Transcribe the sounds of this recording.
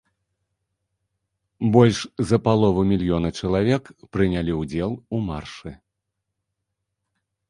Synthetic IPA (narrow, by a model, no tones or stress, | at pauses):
bɔlʲʂzɐpalˠɔvɐmʲilʲjɔnɐt͡ʂɐlˠavʲɛkpɾɨnʲalʲiwd͡zʲɛlˠumarʂɨ